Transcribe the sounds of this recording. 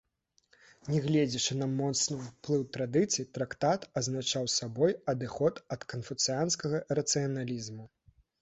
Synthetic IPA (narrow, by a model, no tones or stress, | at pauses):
nʲɛɣlʲɛd͡zʲit͡ʂɨnɐmɔt̪snɨplˠɨwt̪ɾad̪ɨt̪sɨjit̪ɾakt̪at̪ɐznat͡ʂawsabɔjɐd̪ɨxɔt̪ɐt̪kɐnfut̪sɨjanskɐɣɐɾɐt̪sɨjɐnalʲizmu